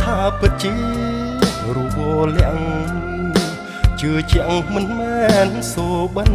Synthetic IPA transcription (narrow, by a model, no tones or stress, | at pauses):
t̪ʰaːpɨt̪̚t͡ɕi | ruːɓoːlɛ̆ə̰ŋ | t͡ɕɨːt͡ɕɛ̆əŋmɨnmɛnsuːɓən